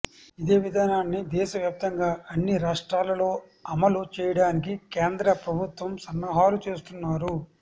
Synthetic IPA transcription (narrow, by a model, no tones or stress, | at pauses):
id̪e̞ːʋid̪ʱaːnaːnːid̪ɛːʃɐʋjaːp̚t̪ɐŋɡaːɐnːiɾaːʂʈɾaːlɐlo̞ː | ɐmɐlut͡ʃɛːjɐɽaːnik̬ikeːnd̪ɾɐpɾɐbʱut̪ʋɐmsɐnːɐɦaːlut͡ʃeːst̪unːaːɾu